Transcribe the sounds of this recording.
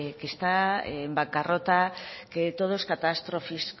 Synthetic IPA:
kest̪a̰ːmbaŋkarot̪aket̪oð̞oskat̪ast̪ɾofis

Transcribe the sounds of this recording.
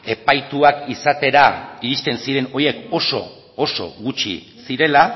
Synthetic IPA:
e̞pajt̪uakisat̪e̞ɾaiɾist̪e̞nsiɾe̞no̞je̞ko̞so̞̰ː | so̞̰ɣut͡ʃḭ | siɾe̞la

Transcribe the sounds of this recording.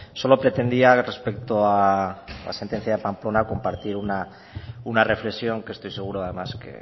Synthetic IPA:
so̞lo̞pɾe̞t̪e̞nd̪iare̞spekt̪oa | a̰se̞nt̪e̞n̟θjaðe̞pamplo̞nako̞mpaɾt̪iɾuna | unare̞flesjo̞ŋkest̪o̞jse̞ɣ̞uɾoað̞e̞maskḛ

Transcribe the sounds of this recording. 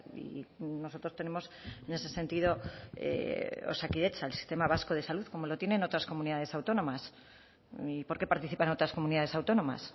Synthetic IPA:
ḭno̞sot̪ɾost̪e̞ne̞mosene̞se̞se̞nt̪iðo̞ḛo̰sakiðe̞t͡ʃaelsi̥st̪e̞maβ̞asko̞ð̞e̞saluθko̞mo̞lo̞t̪jeneno̞t̪ɾasko̞muniðaðe̞sawt̪o̞nõ̞mas | ipo̞ɾke̞paɾt̪iθipano̞t̪ɾasko̞mũniðað̞e̞sawt̪o̞nõ̞ma̰s

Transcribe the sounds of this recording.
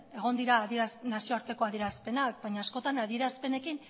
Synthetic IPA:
e̞ɣ̞o̞nd̪iɾaːðieɾasnasioaɾt̪e̞ko̞aðie̞ɾaspe̞nak̚baɲaːsko̞t̪anaðie̞ɾaspe̞ne̞kin

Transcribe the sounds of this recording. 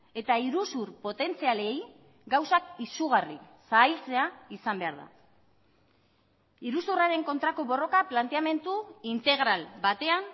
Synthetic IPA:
e̞t̪aiɾusuɾpo̞t̪e̞nt͡siale̞j | ɡawsakisuɣarisaːjlt͡se̞aisambe̞aɾða̰ | iɾusuraɾe̞ŋko̞nt̪ɾako̞βo̞ro̞kaplant̪e̞ame̞nt̪uint̪e̞ɣɾalbat̪e̞an

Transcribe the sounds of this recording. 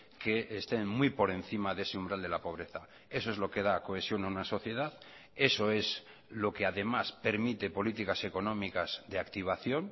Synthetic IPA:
keʔest̪eŋmujpo̞ɾẽ̞nθimaðe̞seũmbɾald̪e̞lapo̞β̞ɾe̞θa | e̞soezlo̞ke̞ð̞ako̞e̞sjo̞ŋaunaso̞θje̞ð̞að | e̞so̞e̞z | lo̞keaðe̞maspe̞ɾmit̪e̞po̞lit̪ikase̞ko̞nõ̞mikaz̥ðeakt̪iβ̞aθjo̞ŋ

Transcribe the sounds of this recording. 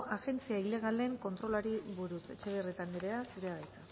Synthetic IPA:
ʔaɣe̞nt͡siaile̞ɣ̞ale̞ŋko̞nt̪ɾo̞laɾiβuɾuse̞t͡ʃe̞βe̞ret̪aniɾeasuɾeaðajt͡sa

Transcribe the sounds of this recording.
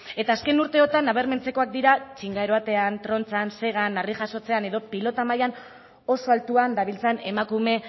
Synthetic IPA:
e̞t̪aːske̞nuɾt̪e̞o̞t̪anːaβ̞e̞ɾme̞nt͡se̞ko̞ak̚d̪iɾat͡ʃiŋɡaeɾo̞at̪e̞ant̪ɾo̞nt͡sanse̞ɣ̞anariʝaso̞t͡se̞ane̞ðo̞pilo̞t̪amajan | o̞so̞alt̪uand̪aβ̞ilt͡sene̞makume̞

